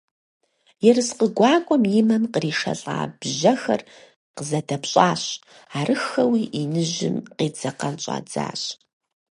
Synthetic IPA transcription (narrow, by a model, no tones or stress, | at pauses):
jɛrɨsqəɡʷɑːkʷʼɔmjɪmɐnqəriːʂɐ̰ɬʼa̰ːb̥ʑɐxɐ̰r | qəzɐdɐpɕʼaːɕ | aːrʔɨxɐwiːʔinɨʒɪ̰mqeːd͡zɐqɐnt͡ʃʼa̰ːd͡za̰ːɕʼ